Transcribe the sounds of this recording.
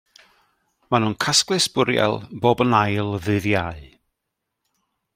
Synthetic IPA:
manuːnkʰasklˠɨsb̥ʊɾja̰lˠboːbənajlˠðɨðjaɨ

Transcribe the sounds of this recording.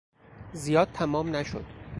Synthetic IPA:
zijɒːd̪̚t̪ʰæmɒːmnæʃo̰d̪̥

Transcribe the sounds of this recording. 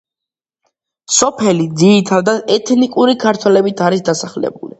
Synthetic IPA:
sɔpʰɛlid̪zit̪ʰad̪aɛt̪ʰnikʼuɾikʰaɾt̪ʰwɛlɛbit̪ʰaɾisd̪asaχlɛ̰bṵlḭ

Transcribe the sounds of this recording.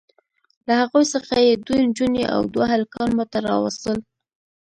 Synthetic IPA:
lahaɣojsəxajed̪und͡ʒuneʔa̰wd̪waɦalkɑnmot̪aɾɑ̰wa̰st̪əl

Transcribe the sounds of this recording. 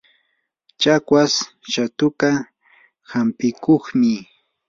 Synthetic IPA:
t͡ʃakwas | ʃat̪ʊka | hampɪkoχmɪ

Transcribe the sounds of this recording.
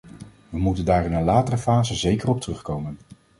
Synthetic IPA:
ʋəmutəndaːrɪnənlaːtərəfaːzəzejkərɔp̚tərɵχkowmən

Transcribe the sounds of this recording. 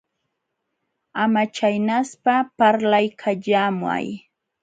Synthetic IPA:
amat͡ʃajnaspapaɾlajkʰaʎamwa̰j

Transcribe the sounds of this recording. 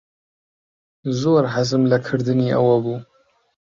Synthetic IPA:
zoːɾɦazɨmlakʰɨɾd̪ɨniːʔa̰wabuː

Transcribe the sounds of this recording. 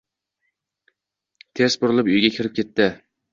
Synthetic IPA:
t̪ʰesbʊɾɪlˠɪpyjɡʲakʲʰɪɾɪp̚kʲʰe̞t̪ːɪ

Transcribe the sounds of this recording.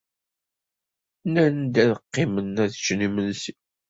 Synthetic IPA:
nænd̪æðəqːɪmənːæðt͡ʃnimənsi

